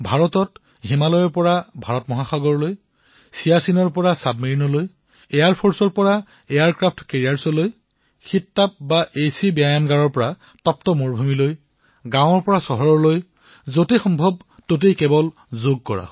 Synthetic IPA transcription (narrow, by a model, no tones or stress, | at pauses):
bʱaɹɔtɔt | ɦimalɔjɔɹpɔɹabʱaɹɔtmɔɦaxaɡɔɹɔloj | sijasinɔɹpɔɹasabmiɹinɔloj | ejaɹpʰɔɹsɔɹpɔɹa | ejaɹkɹapʰtkeɹiaɹsɔloj | xitːap̚baʔejsibiajanɡaɹɔɹpɔɹa | tɔp̚tɔmoɹbʱumiloj | ɡãw̃ɔɹpɔɹasɔɦɔɹɔɹloj | zotexɔmbʱɔb̚ | tot̬ejkɛbɔl | zoɡ̚kɔɹa̰